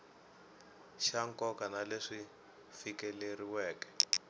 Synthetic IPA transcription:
ʃaŋkɔkanaleʂi | fikɛleriwɛːkɛ̥

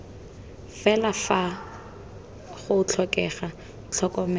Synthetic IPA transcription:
fɛlafa | χʊʊt͡ɬʰɔkʼɛχa | t͡ɬʰɔkʼɔmɛ

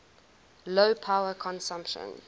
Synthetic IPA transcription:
loʊpʰaʊəkʰɔ̃nsãmpʃə̰̃n

